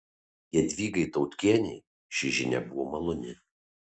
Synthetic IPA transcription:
jiɛd̪ʲʋʲiːɡɐɪt̪ɒʊt̪ʲkʲiɛnʲɛɪ | ʃʲɪʒʲɪnʲɛ̰bʊʋoːmɐlˠʊnʲɪ

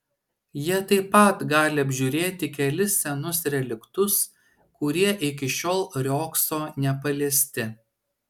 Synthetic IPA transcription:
jiɛt̪ɐɪpɐt̪ɡɑːlʲɪɐbʲʒʲʊːɾʲeːt̪ʲɪkʲɛlʲɪsːʲɛnʊsɾʲɛlʲɪkt̪ʊs | kʊɾʲiɛʔɪk̬ʲɪʃʲoːlˠɾʲoːksoːnʲɛpɐlʲeːsʲt̪ʲɪ

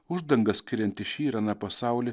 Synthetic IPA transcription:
ʊʒd̪ɐŋɡɐssʲkʲɪɾʲɛnʲt̪ʲɪʃʲiːɾɐnɑpɐsɑˑʊlʲɪ

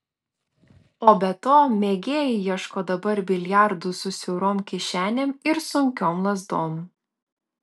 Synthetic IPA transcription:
oːbʲɛt̪oːmʲeːɡʲeːjɪjiɛʃkoːd̪ɐbɐɾbʲɪlʲjæˑɾd̪ʊsʊsʲɛʊɾoːmkʲɪʃʲæːnʲemɪɾsʊŋʲkʲoːmlˠɐzd̪oːm

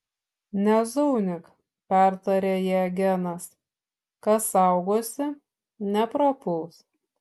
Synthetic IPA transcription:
nʲɛzuːnʲɪk | pʲæˑɾt̪ɐɾʲeːjɛːɡʲɛnɐs | kɐsɑˑʊɡoːsʲɪ | nʲɛpɾoːpuːs

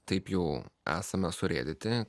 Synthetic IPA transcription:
t̪ɐɪpjɛʊæ̰ːsɐmʲɛsʊɾʲḛːd̪ʲɪt̪ʲɪ

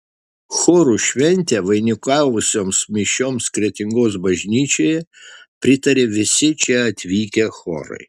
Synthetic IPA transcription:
xoːɾuːʃʲʋʲɛnʲt̪ʲɛʋɐɪnʲɪkɑːʋʊsʲoːmsmʲɪʃʲoːmskɾʲiɛt̪ʲɪŋɡoːsbɐʒʲnʲiːt͡ʃʲoːjɛpʲɾʲɪt̪ɐɾʲeːʋʲɪsʲɪt͡ʃʲɛɐt̪ʲʋʲiːkʲɛxo̰ːɾɐ̰ɪ

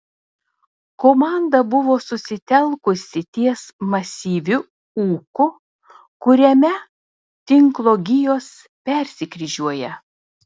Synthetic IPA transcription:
koːmɑˑnd̪ɐbʊʋoːsʊsʲɪt̪ʲɛlˠkʊsʲɪt̪ʲiɛsmɐsʲiːʋʲʊ | uːkʊ | kʊɾʲɛmʲɛ | t̪ʲɪŋklˠoːɡʲɪjoːs | pʲɛɾʲsʲɪkɾʲiʒʲuɔjɛ

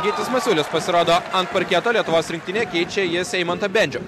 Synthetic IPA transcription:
ɡʲiːt̪ʲɪsmɐsʲuːlʲʊspɐsʲɪɾoːd̪oːɐnt̪pɐɾʲkʲiɛt̪oːlʲiɛt̪ʊʋoːsɾʲɪŋkt̪ʲɪnʲeːkʲɛɪt͡ʃʲejɪsʲɛɪmɐnt̪ɐbʲɛnʲd͡ʒʲʊ

